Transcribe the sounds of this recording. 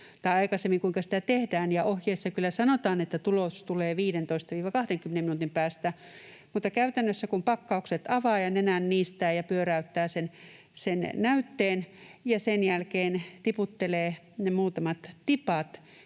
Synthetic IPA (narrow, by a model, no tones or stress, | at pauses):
t̪ɑiɑikɑsemːiŋkuiŋkɑsi̥t̪æt̪ehdæːnjɑʔohjeːsːɑkylːæsɑnot̪ɑːnet̪ːæt̪ulost̪uleːʋiːdent̪oist̪ɑʋiːʋɑkɑhdeŋkymːeneminuːˑt̪impæːst̪æ | mut̪ːɑkæyt̪ænːøsːækumpɑkːɑukset̪ɑʋɑːjɑnenænːiːst̪æːjɑpyøræyt̪ːæːsen | sennæyt̪ːeːnjɑsenjælkeːnt̪iput̪ːeleː | nemuːt̪ɑmɑt̪t̪ipɑt̪